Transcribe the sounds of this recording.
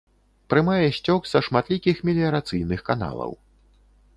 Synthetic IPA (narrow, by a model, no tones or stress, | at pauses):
pɾɨmajɛɕʲt͡sʲɔksɐʂmat̪lʲikʲixmʲilʲiɐɾat̪sɨjnɨxkana̰lˠɐ̰w